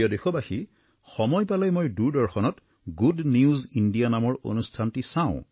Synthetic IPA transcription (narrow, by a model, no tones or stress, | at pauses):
ɔdexɔbaxi | xɔmɔjpalɔjmojduɹdɔɹxɔnɔt | ɡudniuzindijanamɔɹo̰nustʰantisaʊ̰̃